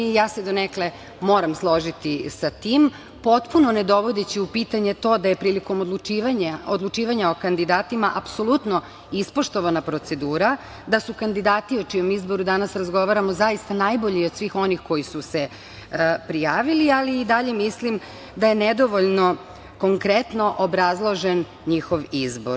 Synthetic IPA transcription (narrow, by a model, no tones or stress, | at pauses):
jaːse̞d̪o̞nekle | mo̞ːɾamslˠo̞ʒit̪isat̪iːm | po̞t̪puno̞ned̪o̞ʋo̞d̪et͡ɕiupit̪aɲe̞t̪o̞ːd̪ajepɾiːliko̞mod̪lˠut͡ʃiʋaɲaod̪lˠut͡ʃiːʋaɲao̞kand̪id̪aːt̪imaʔapso̞lˠut̪no̞ | ispo̞ʃt̪o̞ʋanapɾo̞t̪se̞d̪uːɾa | d̪asukand̪id̪aːt̪iot͡ʂijo̞mizbo̞ɾud̪anasɾazɡo̞ʋaɾamo̞zajist̪anajboʎiod̪sʋiːxo̞nixko̞jisuse̞ | pɾijaːʋilialiːd̪aʎe̞mislim | d̪ajened̪o̞ʋoʎno̞ | ko̞ŋkɾet̪no̞ʔobɾazlˠo̞ʒen | ɲixo̞ʋizbo̞̰ɾ